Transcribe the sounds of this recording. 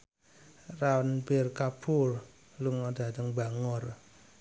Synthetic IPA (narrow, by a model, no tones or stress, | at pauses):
rawanberkapʰur | luŋɔd̪̥a̤d̪əŋbaŋɔr